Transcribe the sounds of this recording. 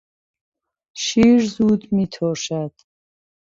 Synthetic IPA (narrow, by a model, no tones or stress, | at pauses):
ʃiɾzud̪mit̪ʰɔʃad̪̥